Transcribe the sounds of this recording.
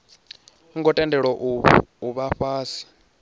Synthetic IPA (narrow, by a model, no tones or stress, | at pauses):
ŋɡɔtʼɛndʱɛɺwɔʔuβaɸaːsi̥